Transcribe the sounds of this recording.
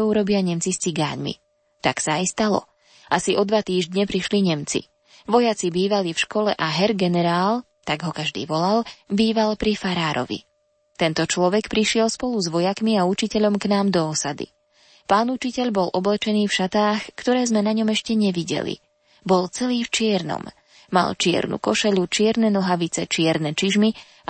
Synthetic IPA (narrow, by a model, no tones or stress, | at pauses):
ɛuɾɔbɪaɲɛmt͡sist͡siɡa̰ːɲmḭ | t̪aksaajst̪alɔ̰ | ʔasiʔɔd̪ʋat̪iːʒd̪ɲɛpɾiʃliɲɛmt͡sḭ | ʋɔjat͡sibiːʋalifʃkɔlɛʔaɦɛɾɡɛnɛɾaːl | t̪aɡɦɔkaʒd̪ḭːʋɔlalbiːʋalpɾifaɾaːɾɔ̰ʋḭ | t̪ɛnt̪ɔt͡ʃlɔʋɛkpɾiʃɪɛlspɔluzʋɔjakmiaut͡ʃicɛʎɔmknaːmd̪ɔːsad̪ḭ | paːnut͡ʃicɛʎbɔlʔɔblɛt͡ʃɛniːfʃat̪aːxkt̪ɔɾɛːzmɛnaɲɔmɛʃcɛɲɛʋiɟɛ̰lḭ | bɔlt͡sɛliːft͡ʃɪɛɾnɔ̰m | ma̰lt͡ʃɪɛ̰ɾnṵkɔʃɛʎut͡ʃɪɛɾnɛnɔɦaʋit͡sɛt͡ʃɪɛɾnɛt͡ʃiʒmi